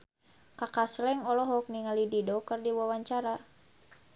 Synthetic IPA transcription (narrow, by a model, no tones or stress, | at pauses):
kakaslɛŋɔlɔɦɔk̚niŋalididɔkɨrdiwawaɲt͡ʃaɾa